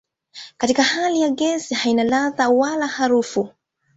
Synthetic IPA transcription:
katikahalijaɡɛsihainalaðawalahaɾufu

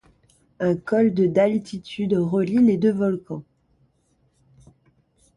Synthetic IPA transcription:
ɛ̃kɔld̪əd̪alt̪ʰit̪ʰyd̪ʁəliled̪øvɔlkɑ̃

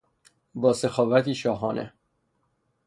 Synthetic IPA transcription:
bɒːsexɒːvæt̪ʰiːʃɒːɦɒːnʔe

